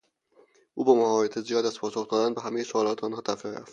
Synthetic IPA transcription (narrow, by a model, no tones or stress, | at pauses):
ʔuːbɒmaɒbet̪ʰezijɒːd̪æzpʰɒːsoxd̪ɒːd̪ænbeɦæmejisoɒːlɒːt̪ʰeɒːnɦɒːt̪ʰæfiɾæ̰ft̪